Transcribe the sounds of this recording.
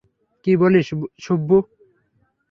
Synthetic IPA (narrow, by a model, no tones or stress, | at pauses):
kiboleʃobːo